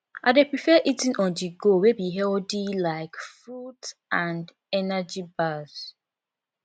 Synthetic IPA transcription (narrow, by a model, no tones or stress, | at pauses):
aɪdepɹifɛʔitĩnɔ̃ndiɡowebiɦɛldilaɪkfɹudãnd | ɛnad͡ʒibaz̥